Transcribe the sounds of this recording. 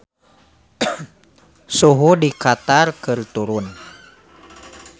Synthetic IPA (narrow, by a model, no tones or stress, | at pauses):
suɦudikat̪arkɨrt̪uɾun